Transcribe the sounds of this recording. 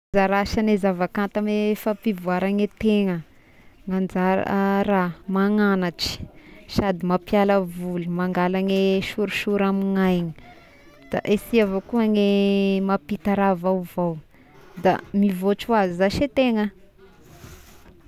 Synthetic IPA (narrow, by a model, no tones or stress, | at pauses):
zaɾaʃanezavakant̪amefapivuaɾaŋet̪eŋə | ŋand͡ʒaɾ̰ɾamaŋanaʈ͡ʂi̥ʃad̪imapjaləvulumaŋɡalaneʃuɾiʃuɾamiŋajɲi̥ | d̪̥a̰ʔesiavokuaŋemapit̪aɾavawvow | d̪a̰mivot͡ʃuazizaʃet̪eŋə